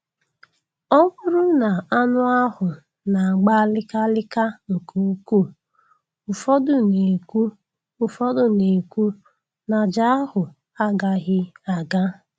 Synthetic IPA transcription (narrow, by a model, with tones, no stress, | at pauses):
ɔ˦bʊ˦ɾʊ˦na˨a˦nʊ˦a˦ɦʊ˨ | na˨a˨ɡ͡ba˦lɪ˦ka˦lɪ˦ka˦o˨ko˨˦ku˦˨ | ʊ˨fɔ˦dʊ˨ne˨kʷu˦ | ʊ˨fɔ˦dʊ˨ne˨kʷu˦ | na˨d͡ʒa˦a˦hʊ˨ | a˦ɡa˦ɦɪ˦a˨ɡa˦